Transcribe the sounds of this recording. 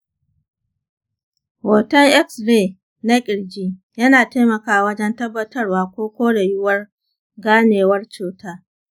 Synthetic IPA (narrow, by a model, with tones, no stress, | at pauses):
woː˨tɐ˦ŋʔɛ˦ksɽeː˦˨ | na˦kʲʼɪ˨ɽd͡ʒiː˦ | jɐ˦naː˨taː˦jmɐ˨kaː˦˨wɐ˦d͡ʒɛ˦ntɐ˦bːɐ˦tɐ˦rwaː˦kʷoː˦kʷoː˦ɽa˨jʊ˦wɐ˦r | ɡaː˦neː˨wɐ˦rt͡ʃuː˨taː˦